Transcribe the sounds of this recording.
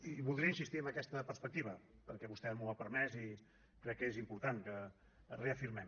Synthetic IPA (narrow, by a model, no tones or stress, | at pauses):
iβulˠd̪ɾiəinsist̪iəmbəkɛst̪əpəɾspək̚t̪iβ̞əpəɾkɛβust̪ɛmuəpəɾmɛzi | kɾɛkːezimpuɾt̪aŋkə | reəfiɾmɛm